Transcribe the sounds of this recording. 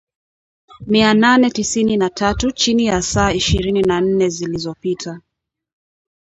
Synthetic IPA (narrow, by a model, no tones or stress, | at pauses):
miananɛtisininatatut͡ʃinijasaːiʃiɾininan̩nɛzilizɔpitʰa